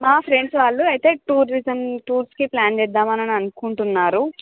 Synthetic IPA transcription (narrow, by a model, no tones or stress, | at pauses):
maːpʰɾe̞ɳɖsʋaːɭːuɐjit̪e̞ːʈuːɾizɐmʈuːɾskiplaːnd͡ʒɛːd̪ːaːmɐnɐnɐnukuɳʈunːaːɾu